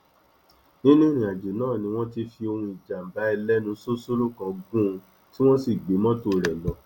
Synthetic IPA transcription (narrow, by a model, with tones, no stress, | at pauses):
nĩ˦nũ˦˨ñĩ˨a˨d͡ʒe˨nãː˦˨nĩ˧w̃ɔ̃˦ti˧fi˧o˧hũ˧i˨d͡ʒa˨m̩˨ba˨˦i˧lɛ˦nũ˧su˦su˦ɾũ˦kã˧ɡũ˦˧ | ti˦w̃ɔ̃˦si˦˨ɡ͡be˨˦mɔ̃˦to˧ɾɛ˨lɔ˨˦